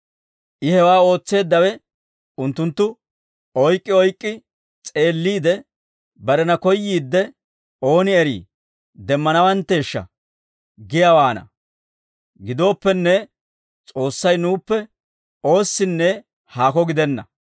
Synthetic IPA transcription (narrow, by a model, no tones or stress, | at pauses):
ʔɪhɛwaːo̞ːt͡sːe̞ːd̪ːɐwɛ | ʊnt̪ːʊnt̪ːʊ | ɔjkʼːɪɔjkʼːɪ | t͡sʼe̞ːlːiːd̪ɛ | bɐɾɛnɐkɔjːiːd̪ːɛ | o̞ːnɪɛɾḭː | d̪ɛmːɐnɐwɐnt̪ːe̞ːʃːɐ̰ | ɡɪjawaːnɐ̰ | ɡɪd̪o̞ːpːɛnːɛ | t͡sʼo̞ːsːɐjnuːpːɛ | o̞ːsːɪnːɛ | haːkɔɡɪd̪ɛnːɐ̰